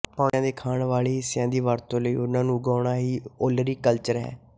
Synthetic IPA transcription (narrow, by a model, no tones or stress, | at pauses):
pãːjãːd̪eːkʰaːɳʋaːɭiːɪsɪjãːd̪iːʋaːɾt̪õːləiːʊnãːnũːɡaːɳaːɦiːoːləɾiːkəlt͡ʃəɾɦɛ̰̃ː